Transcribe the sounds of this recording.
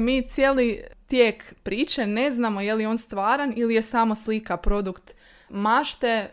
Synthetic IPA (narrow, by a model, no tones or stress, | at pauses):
miːt̪sjeːlit̪jeːkpɾiːt͡ʃene̞znamo̞jeljeoːnst̪ʋaːɾanilije̞samo̞slikapɾo̞d̪ukt̪ | maʃt̪e